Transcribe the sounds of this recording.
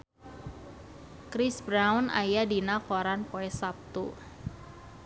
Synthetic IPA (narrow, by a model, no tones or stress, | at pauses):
kɾisbɾawna̰jadinakoɾanpoɛsap̚t̪ṵ